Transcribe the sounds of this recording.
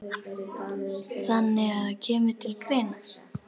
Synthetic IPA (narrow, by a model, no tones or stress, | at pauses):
θanːɪɣaðacʰɛːmʏ̥t̪ʰɪlkʰɾeːjna